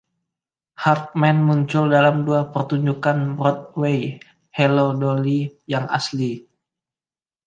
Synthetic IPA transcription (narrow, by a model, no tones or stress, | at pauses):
hart̪̚mɛnmuɲt͡ʃʊldalamduapərt̪uɲd͡ʒukanbɾɔt̪̚wej | helodolijaŋa̰sli